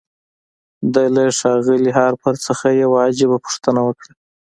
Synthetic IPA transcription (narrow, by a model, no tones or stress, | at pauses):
d̪ajlaʂɑɣɪliɦɑɾpʰaɾt͡səxajawaːd͡ʒɪbapʊ̥ʂt̪ənawəkɽa